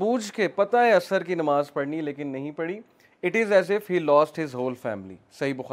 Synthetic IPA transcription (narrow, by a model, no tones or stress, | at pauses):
buːd͡ʒkepɐt̪aeɐsəɾkinɐmaːzpɐɽnileːkɪnːɐɦĩpɐɽi | ɪʈɪzɛːzɪfhiːlɔːsʈɦɪzɦoːlfɛ̰ːmlḭsɐɦibʊxa